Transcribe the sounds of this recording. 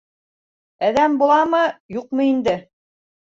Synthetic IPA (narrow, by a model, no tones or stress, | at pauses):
æðæmbulˠɑmɤjuqmɤind̪ɘ